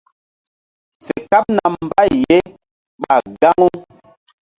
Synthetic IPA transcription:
se˨ka˦p̚na˨m˦ba˦˨jːe˦ | ɓa˨ɡa˦ŋu˦

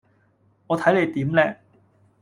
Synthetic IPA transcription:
ŋɔː˨˧t̪ʰɐ˨˥jle˨˧jt̪iː˨˥mlɛː˥

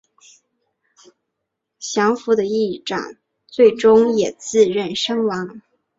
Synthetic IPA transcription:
ɕjɑ˧˥ŋfu˧˥d̪ə˧i˥˩ʈ͡ʂɑ̰˨˩˦ŋ | t͡swe˥˩ɪʈ͡ʂʊ˥ŋjɛ˨˩t͡sɹ̩˥˧ɻə˥˩nʂɤ˥ŋwɑ˧˥ŋ

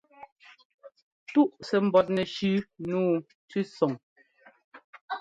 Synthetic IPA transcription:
tu˦ʔsɛ˨m̩˦˨bɔ˨t̬̚nɛ˨ʃʉ˦nuː˦ | t͡sʉ˦sɔ˨ŋ

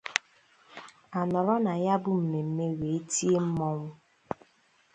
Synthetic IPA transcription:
a˨nɔ˨ɾɔ˦na˨ja˦bʊ˦m̩˨me˨m̩˦me˦we˨e˦ti˦e˦m̩˦mɔ˦ŋʷʊ˦

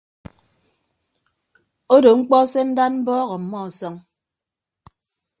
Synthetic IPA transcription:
o˦do˨ŋ͡m̩˦k͡pɔ˦se˦n̩˦da˦nm̩˦bɔː˦ɣɔ˨m̩˨mːɔ˦˨sɔ˦ŋ

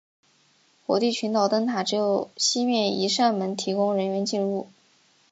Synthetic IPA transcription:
xwɔ̰˧˥t̪i˥˩t͡ɕʰy˧˥nt̪ɑ˨˩ʊt̪ə˥nt̪ʰa˨˩ʈ͡ʂɻ̩˧˥jo˧˩ʊɕi˥mjɛ˥˩ni˧˥ʂa˥˩nmə˧˥nt̪ʰi˧˥kʊ˥ŋɻə˧˥nɥɛ˧˥nt͡ɕi˥˧nɻu˥˩

